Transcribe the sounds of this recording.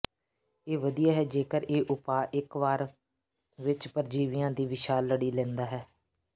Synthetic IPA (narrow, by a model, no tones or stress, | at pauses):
eːʋəd̪ijaːɦɛːd͡ʒeːkəɾeːʔʊpaːʔɪkʋaːɾ | ʋɪt͡ʃpəɾd͡ʒiːʋɪjãːd̪iːʋɪʃaːlːəɽiːlɛ̃ːnd̪aːɦɛː